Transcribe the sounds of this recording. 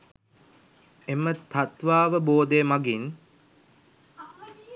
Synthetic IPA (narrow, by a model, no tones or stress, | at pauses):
emət̪ʰat̪ʋaːʋəboːd̪ejːmaɡin